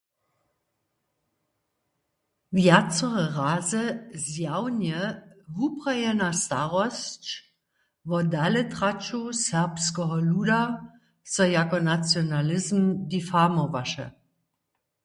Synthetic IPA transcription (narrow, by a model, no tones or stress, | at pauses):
vjat͡sɔʁəʁaːzəzjawnjəɦupʁajɛnastaʁɔst͡ʃ | vɔdalətʁat͡ʃusɛʁpskəɦɔluːda | sɔjakɔnat͡sjonalɪzm̩difamɔvaʃə̰